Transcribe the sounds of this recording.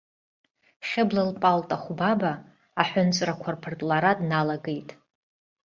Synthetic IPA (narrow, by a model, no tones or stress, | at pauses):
χʲɪblalpʼaltʼaχʷbabaː | ħʷʊnt͡sʷʼrakʷʰarpʰɨrtʼlaɾadnalaɡejtʼ